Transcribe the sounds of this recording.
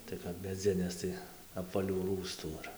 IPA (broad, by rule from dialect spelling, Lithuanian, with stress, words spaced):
tɐɪ ˈkɐp mʲɛˈd͡zʲɪnʲeːs ˈtɐɪ ɐpʋɐˈlʲuː ˈruːstuː ɪr